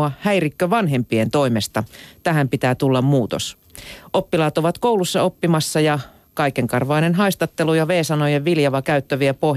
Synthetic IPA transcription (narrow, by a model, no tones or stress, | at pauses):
ɑhæjrikːøʋɑnɦe̞mpient̪o̞imest̪ɑt̪æɦæmpit̪æːt̪ulːɑmmuːt̪o̰s | ʔopːilɑːt̪oʋɑt̪kowlusːɑo̞pːimɑsːɑjɑ | kɑikeŋkɑrʋɑinenɦɑist̪ɑt̪ːelujɑʋeːsɑnojeʋʋiljɑʋɑkæyt̪ːøʋiæpo